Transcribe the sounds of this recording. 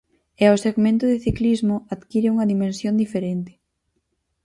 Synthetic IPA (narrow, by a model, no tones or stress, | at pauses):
eaoseɣmẽnt̪ʊðɪθiklizmʊaðkiɾɪuŋɐðimẽnsjond̪ifeɾent̪ɪ̥